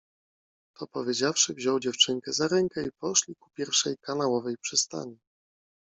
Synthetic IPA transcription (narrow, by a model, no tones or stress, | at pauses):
t̪ʰɔpɔvʲjed͡ʑafʂɘvʑɔwd͡ʑɛft͡ʂɘŋkɛzaɾɛŋkɛipɔʂlʲiku̥pʲjɛɾfʂɛjkanawɔvɛjpʂɘst̪a̰ɲi